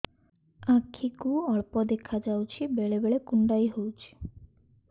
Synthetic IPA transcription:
ãkʰːikuɔɭpɔd̪ekʰad͡ʒawt͡ʃʰibeɭebeɭekuɳɖajɦowt͡ʃʰi̥

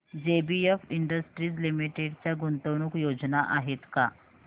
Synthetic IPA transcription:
d͡ʑebiefiɳɖəsʈɾiːt͡slimiʈeɽt͡ɕjaɡunt̪əwɽ̃ukjod͡znaʔaɦet̪ka

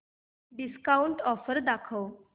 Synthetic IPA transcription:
ɖiskauɳʈɔfəɾd̪akʰəw

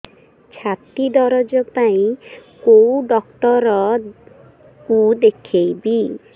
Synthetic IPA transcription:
t͡ʃʰat̪id̪ɔɾɔd͡ʒɔpaĩkowɖɔk̚t̪ɔɾɔ | kud̪ekʰejbi

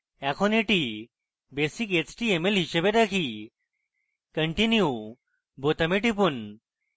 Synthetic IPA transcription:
ɛkʰoneʈi | besiket͡ɕʈiemelɦiɕebeʈ̪akʰi | kəɳʈinju | bot̪əmeʈip̬un

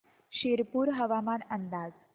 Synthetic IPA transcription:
ɕeɾpuːɾɦəʋamanənd̪ad͡z

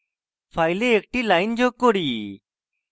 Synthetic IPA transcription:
fʰaːɪleek̚ʈilaːɪnd͡ʑokoɽiː

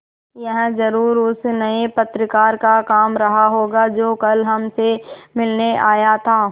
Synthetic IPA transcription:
jɐɦzɐɾuːɾʊsnɐepɐt̪ɾəkaːɾkakaːmɾɐɦaɦoːɡad͡ʒoːkɐlɦɐmsemɪlneʔaːjat̪ʰaː

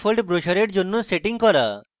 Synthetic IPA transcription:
fʰolɖbɾoʃaɾeɾd͡ʑonːoseʈiŋkɔɾa̰

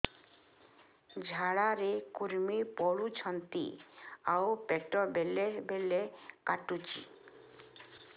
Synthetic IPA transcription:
d͡ʑʱaɽaɾekuɾmipɔɽut͡ɕʰɔnt̪ḭaopɛʈobelebelekaʈut͡ɕḭ

